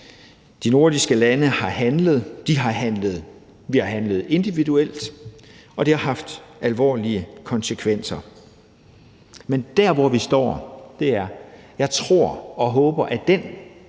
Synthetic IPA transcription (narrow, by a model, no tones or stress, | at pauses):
d̥ino̝ɐd̥isɡ̥əlænəhɑ̈hænləð̞̩ˠd̥iɦɑ̈ɦænləðˠ | ʋihɑ̈ɦænləð̩ˠe̝nd̥iʋiduel̰d̥ | ɒ̽d̥ihɑ̈ɦɑ̈fd̥ælʋɒ̰ːliəkʰɒ̽nsəkʰʋen̰sɐ | mend̥æɐʋɒʋisd̥ɒ̰ːd̥e̝æɐjɑ̈ɪt͡sʰʁo̝ɐ̰ɒ̽ɦɔ̽ːb̥ɐʔæd̥en